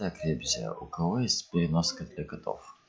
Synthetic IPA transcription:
ɐkɾʲebʲzʲɪə̰ʔʊkɐvojesʲtʲpʲɪɾʲɪnoskɐd̪ʲlʲɐkɐt̪o̰f

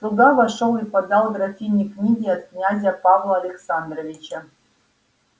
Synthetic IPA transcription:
t̪uɡavaʂolˠipɐd̪alˠd̪rɐtʲinʲiknʲiɡʲiat̪̚knʲazʲɐpavlˠɐːlʲeksand̪rovʲit͡ʃɐ

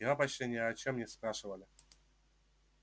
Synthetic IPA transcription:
ɦapɐt͡ɕtʲenʲɪjəɐt͡ɕɛmːnʲɛspɾaʂɨvəlʲɪ

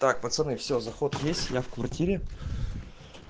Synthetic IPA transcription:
t̪ak̚pət̪sənɨfsʲozɐxot̪vjesʲtʲjafkvɐrtʲiɾʲɪ

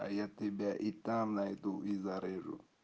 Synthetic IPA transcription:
a̰jatibaʔitamnait̪uizaɾeɾṵ

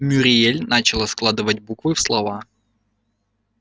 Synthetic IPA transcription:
mʲʊɾʲɪelʲnat͡ɕɪlˠəsklˠad̪ɨvətʲbukvɨfslˠɐva

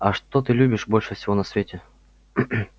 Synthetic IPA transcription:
ɐʂt̪o̞t̪ɨlʲubʲɪʂbo̞lʲʂɨfsʲɪvo̞nɐsvʲetʲɪ

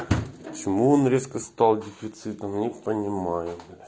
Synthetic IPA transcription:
pət͡ɕɪmuonɾʲeskəst̪ɑlˠdʲɪfʲɪt̪sɨt̪əmnʲɪpənʲɪmajʊ

